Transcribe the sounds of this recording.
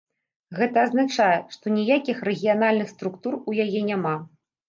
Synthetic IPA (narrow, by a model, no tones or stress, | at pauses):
ɣɛt̪ɐːznat͡ʂajɛʂt̪ɔnʲijakʲixrɛɣʲijanalʲnɨxst̪ɾukt̪urujajɛnʲama